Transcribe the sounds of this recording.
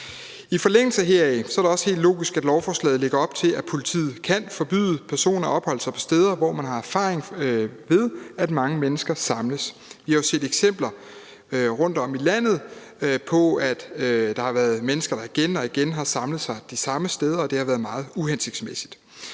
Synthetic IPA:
ifɒ̽leŋ̰l̩səɦeɐ̰isɒ̽æɐɾe̝ɒ̽sə̥he̝̰ːld̥lo̰ːɡ̥isɡ̥æd̥lɒʊfɒːslɛ̰ːð̩ˠle̝ɡ̥ɐɒ̽b̥̚t͡sʰe̝læ̥pʰo̝lit͡sʰḭːð̩ˠkʰæn̰fɒ̽b̥y̰ðˠəpʰæɐso̝̰ːnɐɒ̽b̥hɒ̽l̰əsɑ̈ɪpʰɒ̽sd̥eːðˠɐʋɒmænɦɑ̈æɐfɑ̰̈ːʁeŋʋe̝ð̞ˠæd̥mɑ̈ŋəmenəsɡ̥ɐsɑ̈mləsʋihɑjo̝se̝̰ːd̥eɡ̥sem̰b̥lɐ | ʁɔ̽n̰d̥ɒ̽milæn̰ð̞̩ˠ | pʰɒ̽æd̥d̥ɑ̈hɑ̈ʋæːɐðˠmenəsɡ̥ɐɾ̥ɑ̈iɡ̥enɒ̽iɡ̥enɦɑ̈sɑ̈mləð̩ˠsɑ̈ɪd̥isɑ̈məsd̥eːð̞ˠɐɒ̽d̥e̝hɑ̈ʋæːɐðˠmɑ̈ːð̞̩ˠuhense̝ɡ̥smesi̥d̥

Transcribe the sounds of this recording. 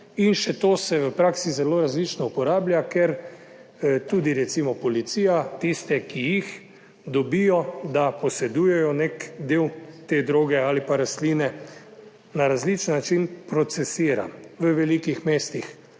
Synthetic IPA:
inʃɛt̪oːsɛʋəpɾaksizɛloːɾazlit͡ʃnɔupɔɾaːblʲjakɛɾ | t̪uːd̪iɾɛt̪simɔpɔlit̪siːjat̪ist̪ɛkijix | d̪ɔbijɔd̪apɔsɛd̪uːjɛjɔnekd̪eːwt̪ed̪ɾoːɡɛaːlipaɾaslinɛ | naɾazlit͡ʃənːat͡ʃinpɾɔt̪sɛsiːɾa̰ʋəʋɛlikixmeːst̪ix

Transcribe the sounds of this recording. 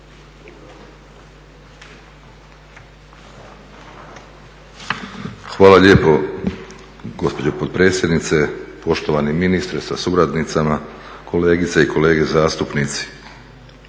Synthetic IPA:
xʋaːlaʎeːpo̞ | ɡo̞spo̞d͡ʑopod̪̚pɾe̞ːt̪sje̞d̪nit̪se̞po̞ʃt̪oʋaniminist̪ɾesa̰suɾad̪nit̪sama | kʰo̞le̞ːɡit̪saiko̞le̞ːɡe̞zaːst̪upnit̪si̥

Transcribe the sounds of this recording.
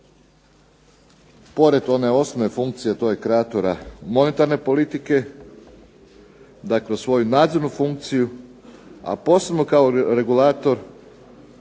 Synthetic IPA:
po̞ɾe̞t̪o̞ne̞o̞snome̞fuŋkt̪sije̞t̪o̞jekɾeat̪oɾamo̞ne̞t̪aɾne̞po̞lit̪ike̞ | d̪akleosʋo̞junaːd̪zo̞ɾnufuŋk̚t̪siju | a̰po̞ːse̞bno̞kaoɾe̞ɡulaːt̪o̞ɾ

